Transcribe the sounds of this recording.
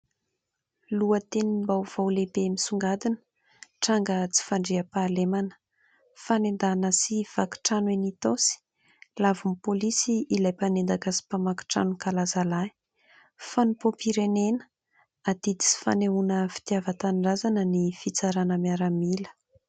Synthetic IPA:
luət̪enimbawv̥awlepemisuŋɡad̪inə̥ | ʈ͡ʂaŋɡət͡si̥faɳɖ͡ʐiapaːlemanə̥ | fanend̪anəsiv̥aki̥ʈ͡ʂanwenit̪osi̥ | lavumpolisiːlajpanend̪akəsi̥pamaki̥ʈ͡ʂa̰nukalazalai̥ | fanupopiɾenenə̥ | ad̪̥id̪i̥t͡si̥fa̰neunəfi̥t̪iavət̪anɖ͡ʐazanənifit͡saɾanəmiaɾamilə̥

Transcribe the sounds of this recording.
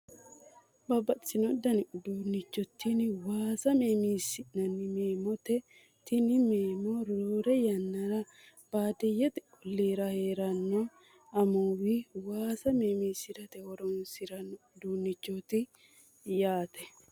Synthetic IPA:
bɐbɐsɪnɔd̪ɐnɪd̪uːnːɪt͡ʃːɔt̪ːinwaːsɐmeːmiːsːɪnɐnɪmeːmɔt̪ɛ | t̪ɪnɪmeːmɔɾoːɾɛjɐnːɐɾɐ | b̥aːd̪ɛjɛt̪ɛ | ʊlːeːɾɐhe̞ːɾɐnːɔ | ɐmuːwɪwaːsɐmeːmiːsɪɾɐt̪ɛhɔɾɔnsɪɾɐnːɔ | d̪uːnːɪt͡ʃːɔt̪ɪ | jaːt̪ɛ

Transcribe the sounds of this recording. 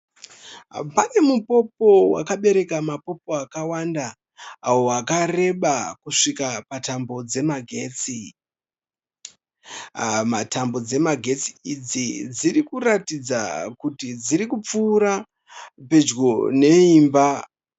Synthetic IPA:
pane̞mupo̞po̞wa̰kaɓe̞ɾe̞kamapo̞p̚o̞akawandaː | wo̞akare̞ɓakuʂikapatambo̞d͡ze̞maɡʱe̞ːt͡si | matambo̞d͡ze̞maɡʱe̞t͡siid͡zid͡zirikuɾatid͡zakutid͡ziɾikup͡fuːɾa | pe̞d͡ʒɡo̞ne̞iːmba

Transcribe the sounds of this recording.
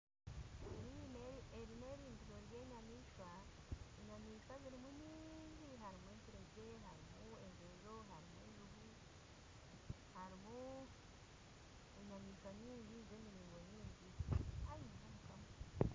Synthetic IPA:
eɾieɾine̞ɾiːndiɾo̞ɾje̞ːɲamiːʃwa | eɲamiːʃwaziɾimuɲiːɲɟiɦaɾimweːtiɾeɟe̞ɦaɾimuezeʒo̞ɦaɾimweːʒuɡu | haɾimu | eɲamiːʃwaɲiːɲɟize̞ːmiɾiːŋɡo̞ɲiːɲɟihajizizomukama

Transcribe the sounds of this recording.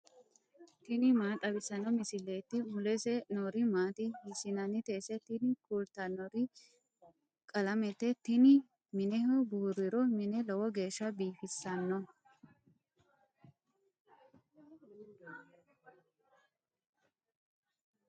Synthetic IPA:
t̪ɪnɪmaːt̪ʼɐbɪsɐnɔmɪsɪleːt̪ːɪmʊlɛsɛnɔɾɪmaːt̪ɪhɪsɪnɐnɪt̪eːsɛt̪ɪnɪkult̪ɐnɔɾɪ | kʼɐlɐmɛt̪ːɛt̪ɪnɪ | mɪnɛɦʊbuːɾɪɾɔmɪnɛlɔwɔɡe̞ːʃːɐbiːfɪsːɐnːɔ

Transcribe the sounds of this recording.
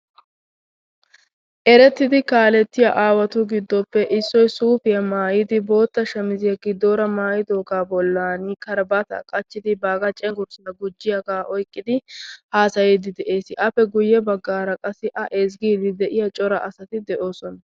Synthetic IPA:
ʔɛɾɛt̪ːɪd̪ɪkaːlɛt̪ːɪjɐʔaːwɐt̪ʊɡɪd̪ːɔpːɛʔɪsːɔjsuːfɪjɐmaːjɪd̪ɪbo̞ːt̪ːɐʃɐmɪzɪjɐɡɪd̪ːoːɾɐmaːjɪd̪oːɡaːbɔlːaːnɪkɐɾbɐt̪ɐ̰kʼɐt͡ʃːɪd̪ɪbaːɡɐt͡ʃʼɛŋɡʊɾsɐnɐɡʊd͡ʒːɪjɐɡaːʔɔjkʼːɪd̪ɪhaːsɐjɛd̪ɪd̪ɛʔe̞ːsɪʔɐpːɛɡʊjːɛbɐɡːaːɾɐkʼɐsːɪʔɐʔɛzɡiːdɪd̪ɛʔɪjɐt͡ʃʼɔɾɐʔɐsɐt̪ɪd̪ɛʔo̞ːsɔnɐ

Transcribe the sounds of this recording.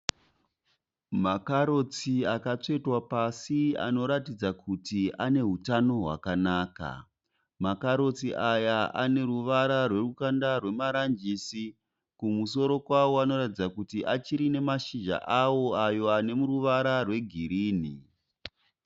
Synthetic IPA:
makaɾo̞t͡siakat͡ʂe̞twapasia̰no̞ɾatid͡zakʰutiane̞ɦutano̞ɦwa̰kanaːka̰ | makaɾo̞t͡siʔajaʔane̞ruʋaɾarwe̞rukandarwe̞maɾand͡ʒiːsi | kumuso̞ɾo̞kwawo̞ano̞ɾatid͡zakutiʔat͡ʃiɾine̞maʃiʒa̰ʔawo̞ajo̞ane̞muruʋaɾarwe̞ɡʱiɾiːni

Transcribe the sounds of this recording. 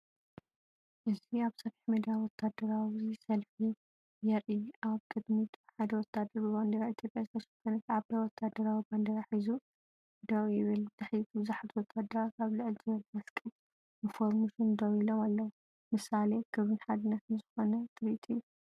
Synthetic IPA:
ʔɨziaβsɐfiħmɐd̪awɔt̪ʰːad̪ɐɾawisɐlfi | jɛɾiʔaβkʼɨd̪mit̪ʰħad̪ɐwɔt̪ʰːad̪ɐɾbɨband̪ɐɾait̪ʰjo̞pʼjazɨbɐsɨkʰonɐt̪aβbɐwɔt̪ʰːad̪ɐɾawiband̪ɐɾaħizu | d̪ɐwjɪβɨlt̪ʰɐħjt̪ʰubɨzaħat̪ʰwɔt̪ʰːad̪ɐɾakʰaβlɨʕlzɨβɐlmaskʼɐl | bɨfoɾmuʃund̪ɐwilomalːɐwu | mɨsalekʰɨβɨnħad̪ɨnːɐt̪ɨnzɨxonɐt̪ʰʼɨɾit̪ʰʼiju

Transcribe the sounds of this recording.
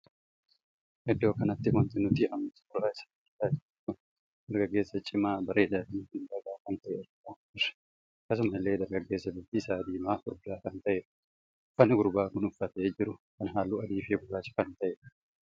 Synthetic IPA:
hɛd̪ːo̞ːkɐnɐt̪ːɪwɐnt̪ɪnʊt̪ɪʔɐmsɐ̥fʊɾaːɪsḁʊɾt̪aːd͡ʒɪɪt̪ʊ | d̪̥ɐɾɡɐɡːe̞ːsːɐt͡ʃʼɪmaːbɐɾe̞ːd̪aːfiːhɪnd̪ɐɡaːkɐnt̪ɐʔeːɾɐoː | ɪɾ̥ | kːɐs̬ʊmɐɪlːe̞ːd̪ɐɾɡɐɡːe̞ːsːɐbɪt̪isaːd̪iːmaːʊɾdaːkɐnt̪ɐʔeː | fɐnɪɡʊɾbaːkʊnʊfːɐt̪ɐeːd͡ʒɪɾʊkɐnɦaːlːuːɐd̪iːfeːɡʊɾaːt͡ʃːɪ̥kɐnt̪ɐʔeː

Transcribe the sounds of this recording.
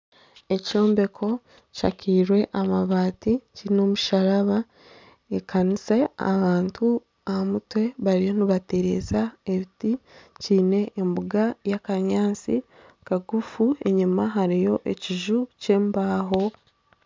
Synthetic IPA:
e̞co̞ːmbe̞kʰo̞ | ca̰kiɾwe̞ʔamaβaːticino̞muʃaɾaβa | ekʰanise̞a̰βaːntʰu | ahamutwe̞βaɾijo̞niβate̞ɾe̞zaeβiticiːne̞ʔːmbuɡajakaɲaːnsi | kaɡufue̞ɲumaɦaɾijo̞ʔeciʒuce̞ːmbaːɦo̞

